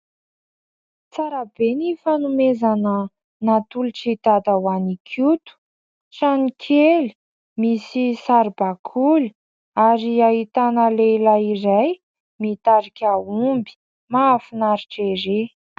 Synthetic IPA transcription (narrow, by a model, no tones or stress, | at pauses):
t͡saɾabenifanumezanə | nat̪uliʈ͡ʂit̪ad̪awanikʰut̪u̥ | ʈ͡ʂanikʲʰeli̥ | misisaɾibakʰuli̥ | aɾiaɦit̪anəlelairaj | mit̪aɾikʲaumbi̥ | mafinaɾiʈ͡ʂeɾe